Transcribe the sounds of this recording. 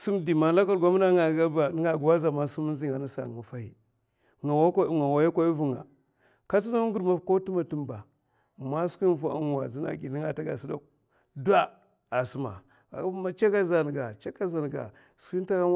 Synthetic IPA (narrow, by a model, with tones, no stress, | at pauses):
su˦mdi˨ma˨la˦ka˦lɡa˦m˦a˦ŋa˨a˦ba˨˦ŋa˨ɡwa˦za˨ma˦su˦mu˦n˦zi˦ŋa˨na˦sa̰˨ŋa˨fa˦hḭ˨ | ŋa˨wŋa˨wa˨˦ja˦kʷa˦i˦vu˨ŋa̰˨ | ka˦si˦da˦ŋɡu˨ɾma˦fko˦tu˦ma˨tu˦mba˨ | ma˦skʷi˦n˦vʷa̰˦u˦n˨wa˨zi˦na̰˨ɡi˨ni˦ŋa˨ta˦ɡa̰˨si˦da˦k̚ | dʷa˦ | a˨su˨ma̰˨˦ | ma˦t͡ʃa˦ka˦za˨n˨ɡa˨t͡ʃa˦ka˦za˨n˨ɡa̰˨ | ski˦nta˦ka˦